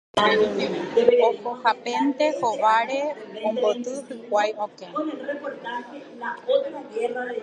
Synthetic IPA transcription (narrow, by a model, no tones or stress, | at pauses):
opohapent̪ehoʋaɾeõmbot̪ɨhɨkʷajokẽkot̪ake | aot̪aɡera